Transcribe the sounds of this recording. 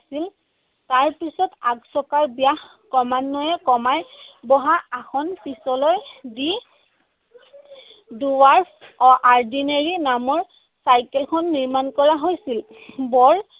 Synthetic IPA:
sil | taɹpisɔtaksɔkaɹbijax | kɔmanːɔjɛkɔmajbɔɦaaxɔnpisɔlɔjdi | duwaɹpɔʔaɹdineɹinamɔɹ | sajkɛlkʰɔnːiɹmankɔɹaɦojsil | bɔɹ

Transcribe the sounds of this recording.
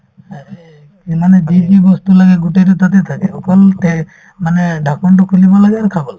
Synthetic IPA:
aɾe | kimaned͡ʒid͡ʒibɔst̪ulaɡeɡuʈeʈut̪at̪et̪ʰakeokɔlt̪e | maneɖʱakɔɳʈɔkʰulibalaɡaɾkʰabɔl

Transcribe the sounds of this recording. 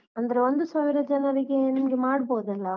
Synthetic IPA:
ɐnd̪ɐɾɐʋɐnd̪ɯsɐʋɪɾɐd͡ʒɐnɐɾɪkːeɛnːɡimaːɽɯpoːðɐlːa

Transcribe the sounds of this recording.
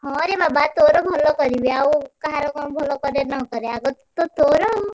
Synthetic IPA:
ɦɔ̃ɾebabat̪oɾɔbʱɔlɔkɔɾibiaukaɦaɾɔkɔñbʱɔlɔkɔɾenɔkɔɾeaɡɔt̪ot̪oɾɔ

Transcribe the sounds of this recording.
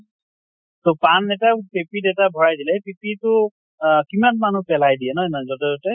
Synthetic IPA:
topanɛtapepidɛtabʱɔɹajdilɛpipitʊ | kimanman̤upɛlajdiɛnɔjnɔzɔtɛzɔtɛ

